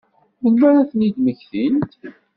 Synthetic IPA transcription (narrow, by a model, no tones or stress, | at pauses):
mənmæɾæθənid̪məçθint̪